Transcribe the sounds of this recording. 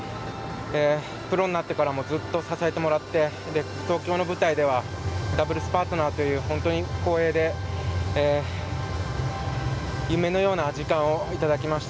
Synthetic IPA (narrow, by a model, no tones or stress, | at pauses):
eː | pɯ̟ɾo̞nːnat̪ːe̞kaɾamo̞zɨt̪ːo̞sasaet̪e̞mo̞ɾat̪ːe̞ | d̪e̞ | t̪o̞ːkʲo̞ːno̞bɯ̟t̪aid̪e̞β̞ad̪abɯ̟ɾɯ̟sɨ̥paːt̪o̞naːt̪o̞jɯ̟ːhõ̞nt̪o̞ɲ̟iko̞ːe̞ːd̪e̞ː | jɯ̟me̞no̞jo̞ːnaʑikãɰ̃o̞it̪ad̪akʲimaɕi̥t̪aa